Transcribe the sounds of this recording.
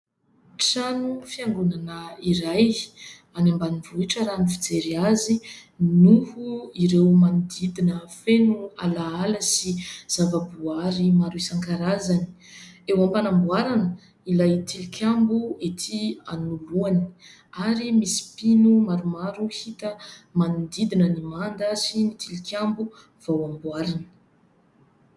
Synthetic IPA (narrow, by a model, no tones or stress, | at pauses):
ʈ͡ʂanufiaŋɡunanəiɾaj | anambanivuiʈ͡ʂəɾanifid͡zeɾiazinuhuiɾewmanid̪id̪inəfenua̰laaləsiz̥avabuaɾimaɾuisaŋkaɾazani̥ewampanambuaɾanə | ilajt̪ʰilikʰʲambuet̪ʰia̰nuluani̥ | aɾimisi̥pinumaɾumaɾuhit̪əmanid̪id̪inənimand̪asinit̪ʰilikʰʲambu | v̥awambwaɾanə̥